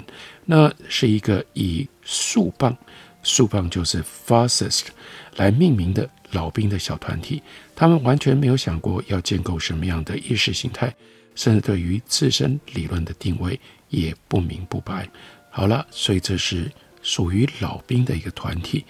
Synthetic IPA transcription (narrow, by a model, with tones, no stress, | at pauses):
na˥˧ʂɻ̩˥˩i˧˥ɡə˧i˨˩ | ʂu˥˧pɑ˥˩ŋ | ʂu˥˧pɑ˥˧ŋt͡ɕjo˥˧ʊʂɻ̩˥˩fa˥sə˨˩skla˧˥ɪmi˥˩ŋmi˧˥ŋd̪ə˧˨lɑ˨˩ʊpi˥ŋd̪ə˨ɕjɑ˨˩ʊt̪ʰwa̰˧˥nt̪ʰi˨˩˦t̪ʰa˥mə˨nwa˧˥nt͡ɕʰɥɛ˧nme˧˥ɪjo˧ʊɕjɑ˨˩ŋkwɔ̰˥˧jɑ˥˧ʊt͡ɕjɛ˥˧nko˥˩ʊʂə˧˥nmə˧jɑ˥˩ŋd̪ə˩ʔi˥˧ʂɻ̩˥˩ɕi˧˥ŋt̪ʰa˥˩ɪ | ʂə˥˧nt͡sɻ̩˥˧t̪we˥˩ɪy˧˥t͡sɹ̩˥˩ʂə̰˥nli˨˩lwə˥˩nd̪ə˩t̪i˥˧ŋwe˥˩ɪ | jɛ˨˩pu˥˩mḭ˧˥ŋpu˥˩pa˧˥˦ɪxɑ˨˩ʊlə˦swɔ˧˥i˨˩ʈ͡ʂɤ˥˧ʂɻ̩˥˩ | ʂu˨˩y˧˥lɑ˨˩ʊpi˥ŋd̪ə˨i˧˥ɡə˧t̪ʰwa̰˧˥nt̪ʰi˨˩˦